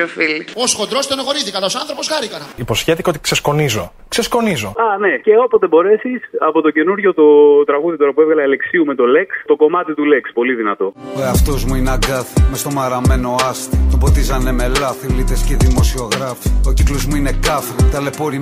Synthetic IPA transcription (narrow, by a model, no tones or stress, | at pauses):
ofilioskod̪ɾost̪oneɣoɾiθikɐnosɐnθɾopo̞sxɐɾikɐnɐipo̞sçefθiceot̪i̥ksesko̞nizo̞ | ksesko̞nizo̞ɐne̞ce̞o̞poebo̞ɾe̞sisɐpo̞t̪o̞ce̞nuɾʝo̞t̪o̞t̪ɾɐɣuðit̪o̞ɾɐpuevɣɐlɐile̞ksiumet̪o̞le̞kst̪o̞ko̞mɐt̪it̪ulekspo̞liðinɐt̪o̞oɐft̪o̞zmuinɐɡɐθmest̪omɐɾɐme̞no̞ɐst̪t̪obot̪izɐne̞me̞lɐfilit̪esceðimo̞sio̞ɣɾɐfi̥ociklozmuine̞kɐfet̪ɐle̞poɾi